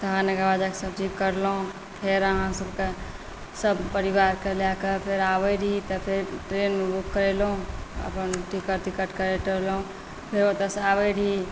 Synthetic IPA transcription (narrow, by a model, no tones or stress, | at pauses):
t̪əɦãneɡaʋad͡ʒakesəbd͡ʒʱikəɾlõ | pʰeɾəɦãsəbke | səbpəɾiʋaːɾkəlakəpʰeɾaːbəɽʱit̪əpʰɪɾʈɾeːnbukːəɾelõə̰pənʈikəʈt̪ikəʈkəɾeʈəɾlõ | pʰɪɾot̪əsaʋəɾʱi